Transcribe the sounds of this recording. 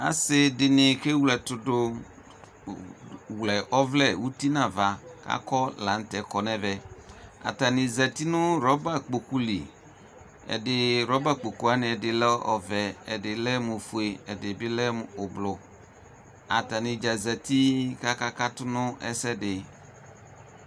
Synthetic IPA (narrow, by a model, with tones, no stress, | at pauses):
a̰˦sɪ˦dɪ˨nɪ˨ke˦wlɛ˨tʊ˨dʊ˦ | wlɛ˨ʔɔ˦vlɛ˦˨wu˦ti˦nã˨va˨ka̰˦kɔ˦la˨n̩˦tɛ˨kɔ˨nɛ˦vɛ˨a̰˨ta˨nɪ˨za˨ti˦nʊ˦ɾɔ˨˦ba˦k͡po˨ku˦lḭ˨ | ɛ̰˨dɪ˨ɾɔ˦ba˦k͡po˨ku˦a˦nɪ̃˨ɛ˨dɪ˨lɛ˦ɔ̰˨vɛ˨ɛ̰˨dɪ˨lɛ˦mʊ˨fu˨e˨ɛ˨dɪ˨bɪ˦lɛ˦m˨ʊ˨blʊ˨ | a̰˨ta˨nɪ˨d͡ʒa˨zɛ˨ti˦ka˦ka˦ka˦tʊ˦nʊ˦ʔɛ̰˦sɛ˦dɪ˨